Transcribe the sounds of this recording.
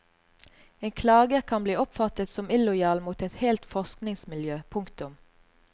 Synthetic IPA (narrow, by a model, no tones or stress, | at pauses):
eːŋkʰlɑːɡəkʰɑnbliːɔpfɑt̪ət̪sɔmɪlʊjɑːlmuːt̪ɛt̪hɛlt̪fɔʁsknɪŋsmɪljøːpʰʊŋkt̪ʊm